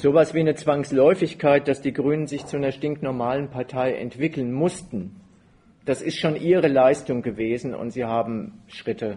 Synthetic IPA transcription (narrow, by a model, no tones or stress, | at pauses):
z̥oːvasv̥iːnət͡sv̥aŋslɔʏfɪçkʰaɪt̚d̥asd̥iːɡʁyːnənzɪçt͡sunɐʃtɪŋktnɔɐmaːlənpʰaɐtʰaɪʔɛ̰ntv̥ɪkl̩nmʊstn̩ | d̥asɪstʃoːnʔiːʁ̞əlaɪstʊŋɡəveːzn̩ʊ̰ntz̥iːhaːbm̩ʃʁ̥ɪtə